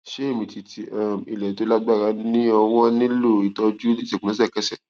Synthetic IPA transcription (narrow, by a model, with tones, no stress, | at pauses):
ʃe˦e˦˨mĩ˧ti˧ti˧˦ʔa˦˨mḭ˨lɛ˨i˨˦to˦la˦ɡ͡ba˦˨ɾa˧˦nĩ˦ɔ˧w̃ɔ̃˦nĩ˦lo˦˨i˨tɔ˧d͡ʒu˦i˦˨sɛ˨kũ˨ã˨˦s̬ɛ˦˨kɛ˦sɛ˦˨